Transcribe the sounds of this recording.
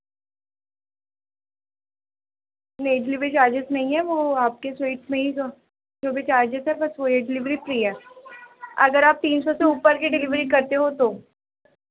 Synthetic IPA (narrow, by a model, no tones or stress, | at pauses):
neːɖɪlɪʋɾit͡ʃaːd͡ʒɪsnɐɦĩɦɛʋoaːp̚kesweːʈsmẽɦiso | d͡ʒoːbit͡ʃaːd͡ʒɪsɦɛbɐsʋoɦɛɖɪlɪʋɾipɾiɦɛː | ɐ̰ɡəɾaːp̚t̪iːnsɔseuːpəɾkiɖɪlɪʋɾikɐɾt̪eɦot̪oː